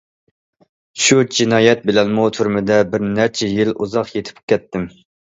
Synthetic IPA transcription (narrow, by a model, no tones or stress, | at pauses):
ʃud͡ʒinɑːjɛt̪̚bɪlɛnmut̪ʰuɾmɪd̪ɛbɪɾnæɾt͡ʃʰɛjiluzɑqjet̪ʰɪ̥pkʲʰːɛt̪ʰːɪm